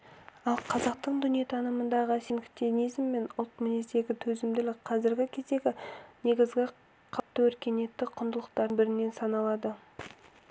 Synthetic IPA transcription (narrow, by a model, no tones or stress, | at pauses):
ɑlˠqʰɑzɑq̚t̪əɴd̪ʏnije̞t̪ʰɑnəmənd̪ɑʁəsinkt̪ionijzmːe̞nʊlˠt̪minisd̪e̞ɡʲɪt̪ʰɵzɪmd̪ɪlɪk̚qʰɑzɪɾɡʲɪkʲʰe̞zd̪e̞ɡʲɪne̞ɡʲɪzɡʲɪ | qʰɑpt̪ːəwɵɾkʲe̞ne̞t̪ːɪqʰʊnd̪əlˠəq̚t̪ɑɾbɪɾɪnːe̞nsɑnɑlˠɑd̪ə